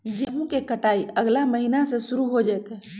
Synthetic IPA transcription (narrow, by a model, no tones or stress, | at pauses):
jəɦũkekəʈaːiəɡlaməɦinasesʊɾuɦod͡ʒaɛt̪ɦɛ